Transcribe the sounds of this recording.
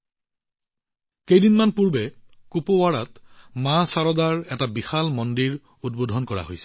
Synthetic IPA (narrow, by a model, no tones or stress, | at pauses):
kejdinmanpuɹbɛkupowaɹatmãsaɹɔdaɹɛtabixalmɔndiɹ | udbodʱɔnkɔɹa̰ɦojsɛ̥